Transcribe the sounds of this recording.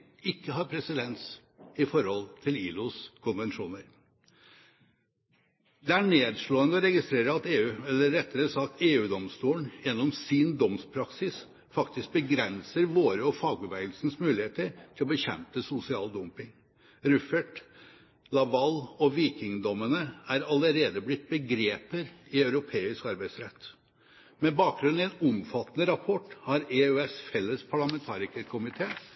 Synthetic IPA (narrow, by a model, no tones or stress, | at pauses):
ɪkːəɦɑːɾpʰɾɛsɪd̪ɛns | ɪfɔɾhɔlt̪ʰɪliːlʊskʰʊnʋɛnʂuːnəɾ | d̪ɛæɳeːd̪ʂɭoːənd̪əɔɾɛɡɪst̪ɾeːɾəɑt̪eːʉːɛlːəɾɛt̪ːəɾəsɑt̪eːʉːd̪ɔmst̪uːəɳjɛnːɔmsɪnd̪ɔmspʰɾɑksɪs | fɑkt̪ɪsk̚bəɡɾɛnsəɾʋoːɾəɔfɑːɡʉʋæɪəlsn̩smʉːlɪheːt̪əɾt̪ʰɪlɔbəçɛ̰mpəsʊsɪɑːld̪ɔmpɪŋ | ɾʉfəʈ | lɑʋɑlɔʋiːkɪŋd̪ɔmənəæɾɑləɾeːd̪əblɪt̪̚ːbəɡɾeːpəɾɪœʉɾʊpʰeːɪskɑɾbæɪd̪sɾɛt̪ː | mɛbɑːk̚ɡɾʉn̩ɪɛnɔmfɑt̪ːənəɾɑpʰɔʈːhɑɾeøːɛsfɛlːəspʰɑɭɑmɛnt̪ʰɑːɾɪkəkʰʊmɪt̪ʰeː